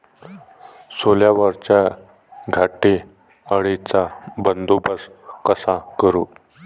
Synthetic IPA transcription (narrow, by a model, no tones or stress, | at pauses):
soljaʋəɾt͡ɕa | ɡʱaʈe | əɽit͡sabənd̪obəs | kəsakəɾu